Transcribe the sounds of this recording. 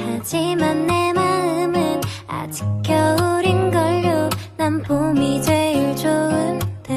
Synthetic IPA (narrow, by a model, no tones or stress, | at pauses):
ad͡ʑimanːemaɯmɯna̰d͡ʑi̥k̚k͈jʌuɾinɡʌɭːonampomid͡ʑeiɭt͡ɕoɯnte